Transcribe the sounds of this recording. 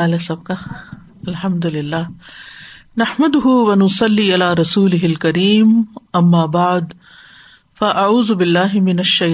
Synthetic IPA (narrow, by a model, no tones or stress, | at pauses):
aːlesɐb̚ka | ɐlħɐmd̪ʊlɪlːaː | nɐħmɐd̪ʊɦʊwɐnʊsɐlːiːʔalaːɾɐsuːlɪɦɪlkɐɾiːmʔɐmːaːbaʕd̪ | fɐʔaʕuːzʊbɪlːaːɦɪmɪnɐʃːɐj